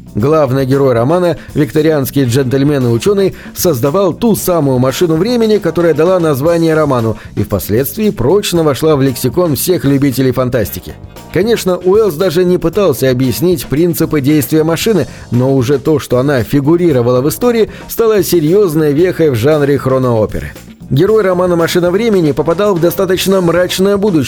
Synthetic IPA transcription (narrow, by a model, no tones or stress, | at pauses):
ɡlˠavnɨjɡʲɪɾo̞jrɐmanə | vʲɪkt̪əɾʲɪanskʲɪjʐɛnt̪əlʲmʲenɨʊt͡ɕo̞nːɨj | səzd̪ɐvalˠt̪usamʊjʊmɐʂɨnʊvɾʲemʲɪnʲɪkɐt̪o̞ɾəjəd̪ɐlˠanɐzvanʲɪjəɾɐmanʊḭfpɐsʲlʲe̞t̪st̪vʲɪːpɾo̞t͡ɕnəvɐʂlˠavlʲɪksʲɪko̞nfsʲe̞xlʲʉbʲit̬ʲɪlʲɪjfɐnt̪asʲtʲɪkʲɪ̰ | kɐnʲe̞ʂnəʔʊɛlˠsd̪aʐɨnʲɪpɨt̪alˠsʲəɐbjɪsʲnʲitʲpɾʲint̪sɨpɨdʲejst̪vʲɪjəmɐʂɨnɨ | noʊʐɛt̪o̞ʂt̪o̞ɐnafʲɪɡʊɾʲiɾəvəlˠəvɨst̪oɾʲɪː | st̪alˠəsʲɪɾʲjo̞znəjəvʲexəjvʐanɾʲɪxɾonəopʲɪ̰ɾɨ̰ | ɡʲɪɾo̞jrɐmanəmɐʂɨnəvɾʲemʲɪnʲɪpəpɐd̪alˠvd̪ɐst̪at̪ət͡ɕnəmɾat͡ɕnəjəbud̪ʊ